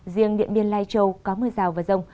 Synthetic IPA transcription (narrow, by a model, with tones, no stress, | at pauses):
zi˧əŋɗḭ˧˨ənɓi˧ənlaː˧jt͡ɕə˧wkɔ˨˦mɨː˧zaː˨˩wvaː˨˩zə˧wŋ͡m